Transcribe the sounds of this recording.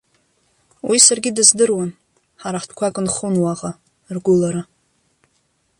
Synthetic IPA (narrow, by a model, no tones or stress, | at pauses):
wisarɡʲɪdɨzdɨrwan | ħaɾaħtʰʼkʷʰakʼɨnχunwaʁa | rɡʷʊlaɾa